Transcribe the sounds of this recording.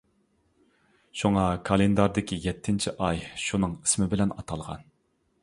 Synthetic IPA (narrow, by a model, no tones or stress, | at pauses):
ʃuŋɑkʰɑlˠend̪ɑɾd̪ɪkʲʰijɛt̪ʰːɪnt͡ʃʰiʔɑjʃunɨŋi̥smɪbɪlɛnɑt̪ʰɑlˠʁɑ̰n